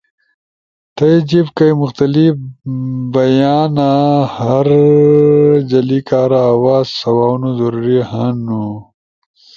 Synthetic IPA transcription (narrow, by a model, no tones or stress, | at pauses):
t̪ɐjd͡ʑibkɐjmʊxt̪ɐlifbɐjaːnahɐɾ | d͡ʑɐlikaːɾaːwaːzsɐwaːnuzɐɾuɾihanu